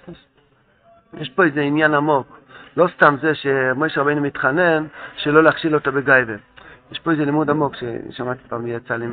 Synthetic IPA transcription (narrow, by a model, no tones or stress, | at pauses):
jeʃpo̞ezeinjanamo̞klo̞st̪amzeʃemojʃeʁabejnumitχane̞nʃelo̞leaχʃilo̞t̪abeɡajvejeʃpoezelimudamo̞kʃḛʃamat̪i̥paːmijat͡salim